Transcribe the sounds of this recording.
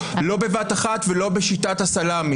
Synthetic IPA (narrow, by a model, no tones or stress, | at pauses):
lo̞be̞vataχat̪velo̞beʃitathasalam